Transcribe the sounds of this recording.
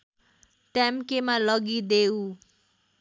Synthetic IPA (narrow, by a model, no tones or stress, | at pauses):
t̪amkemalʌɡid̪eu